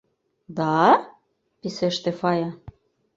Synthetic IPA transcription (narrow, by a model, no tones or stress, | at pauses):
d̪ɑ | piseʃt̪efɑjɑ